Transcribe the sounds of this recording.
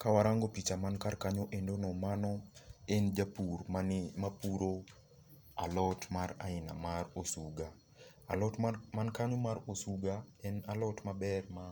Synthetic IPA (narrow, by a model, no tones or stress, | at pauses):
kawaɾaŋɡopit͡ʃamankarkaɲoʔendonɔmanɔend͡ʒapurmamapuɾo | alɔtmaɾaɪna̰maɾosuɡa | lɔtmankaɲomaɾosuɡaɛnalɔtmabɛrma